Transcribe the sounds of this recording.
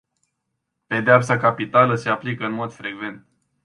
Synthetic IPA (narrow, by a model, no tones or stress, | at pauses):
pe̞d̪eapsakapit̪aləse̞aplikəɨnmo̞d̪fɾe̞ɡve̞nt̪̚